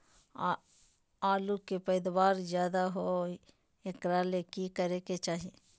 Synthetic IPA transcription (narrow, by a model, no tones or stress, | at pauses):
aːlukepəɪd̪waːɾzjaːd̪aɦo | ekɾaːlekikəɾeket͡ʃaːɦie